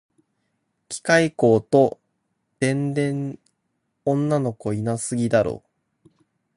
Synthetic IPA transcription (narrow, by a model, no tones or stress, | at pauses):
kʲi̥kaiko̞ːt̪o̞ | d̪̥ẽ̞nd̪ẽ̞ɴ | õ̞nːano̞ko̞inasɨɡʲid̪aɾo̞̰ː